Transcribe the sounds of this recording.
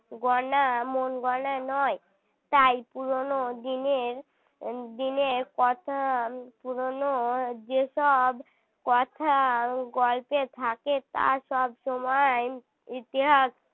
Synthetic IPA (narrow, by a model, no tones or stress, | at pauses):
ɡɔnamonɡɔnanɔe | t̪ajpuɾonod̪ineɾ | d̪ineɾkɔt̪ʰapuɾonod͡ʑeʃɔb | kɔt̪ʰaɡɔlpet̪ʰaket̪a̰ʃɔbʃɔmɔe | it̪iɦaʃ